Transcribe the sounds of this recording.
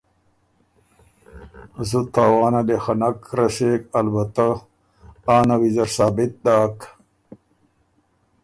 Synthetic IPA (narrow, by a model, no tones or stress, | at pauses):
zut̪ʰaːwaːnad̪exɐnakɾɐsekɐlbɐt̪a | aːnawizɐɾsaːbit̪̚d̪aːk